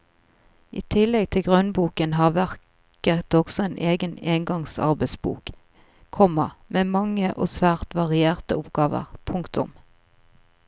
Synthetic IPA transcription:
ʔiːt̪ʰɪlɛɡ̚t̪ʰɪlɡʁœnbuːkənɦɑːʋæʁ | kkət̪ɔɡ̥sɔeːnʔeːɡəneːŋɡɑŋsɑ̰ʁbɛɪsbṵːk | kʰɔməmeːmɑŋəʔo̰ːsʋæːʁt̪ʋɑʁɪeːʁt̪əʊpɡ̥ɑːʋə̰ʁpʰʊŋkt̪ʊ̰m

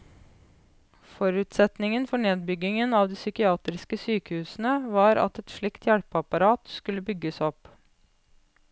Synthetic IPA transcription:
fɔɾʉːt̪sɛt̪nɪŋənfɔɳeːd̪̚bʏɡɪŋənɑːʋd̪iːsʏkɪɑːt̪ɾɪskəsyːkəhʉːsn̩əʋɑːɾɑ̰t̪ɛt̪ʃɭɪkt̪jæɽpɑpɑɾɑːt̪skʉlːəbʏɡːəsɔp

